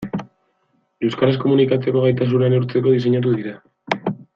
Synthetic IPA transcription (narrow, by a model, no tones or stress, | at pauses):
ewskaɾesko̞munikat͡se̞ko̞ɣajt̪as̬uɾaanɾt͡se̞ko̞ðis̬e̞ɲat̪̬uðiɾa